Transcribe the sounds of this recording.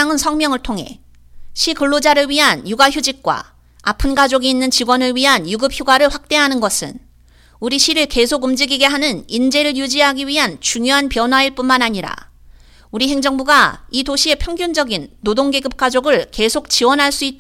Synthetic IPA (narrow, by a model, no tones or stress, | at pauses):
aŋɯnsʰʌŋmjʌŋɯɭtʰoŋɦe̞̰ | ɕʰikɯɭːod͡ʑaɾɯɭɥiɦanjuɡaçjud͡ʑik̚k͈wa̰ | a̰pʰɯnɡad͡ʑoɡiːnːɯnt͡ɕiɡwʌnɯɭɥiɦanjuɡɯp̚ʰçjoɡaɾɯɭɸwak̚t͈e̞ɦanɯnɡʌsʰɯ̰n | uɾiɕʰiɾɯɭke̞sʰoɡɯmd͡ʑiɡiɡe̞ɦanɯnind͡ʑe̞ɾɯɭjud͡ʑiɦaɡiɥiɦant͡ɕuŋjoɦanpjʌnɦwaiɭp͈unmanaɲiɾa̰ | uɾiɦe̞ŋd͡ʑʌŋbuɡaitoɕʰie̞pʰjʌŋɡjund͡ʑʌɡinːodoŋɡe̞ɡɯp̚k͈ad͡ʑoɡɯɭke̞sʰok̚t͡ɕiwʌnɦaɭs͈uit͈̚